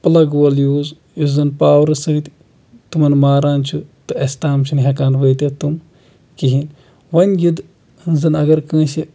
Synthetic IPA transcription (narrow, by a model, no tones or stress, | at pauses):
pɐlɐɡʋɐljuːz | juzɐnpaːwɾɨsɨt̪ʲi | t̪umɐnmaːɾaːnt͡ʃʰut̪ɨɐst̪aːmt͡ʃʰunɦʲekaːnʋɐjt̪et̪um | kiɦin | ʋɐnʲjud̪ | nzɐnɐɡɐɾkɐ̃ːsi